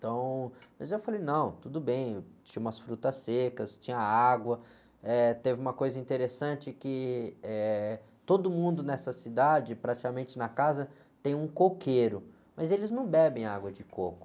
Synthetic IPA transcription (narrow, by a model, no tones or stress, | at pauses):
t̪ɐ̃w̃mɐzewfalejnɐ̃w̃t̪ud̪ʊbẽj̃t͡ʃĩɲɐũmɐsfɾut̪ɐsekɐst͡ʃĩɲɐaɡwɐ | ɛt̪evɪũmɐkojzɐĩnt̪eɾesɐ̃t͡ʃɪkɪɛ | t̪od̪ʊmũnd̪ʊnɛsɐsid̪ad͡ʒɪpɾat͡ʃi̥kamẽnt͡ʃɪnɐkazɐ | t̪ẽj̃ũkokʰeɾʊ | mɐzelɪznɐ̃w̃bɛbẽj̃aɡwɐd͡ʒɪkokʊ̥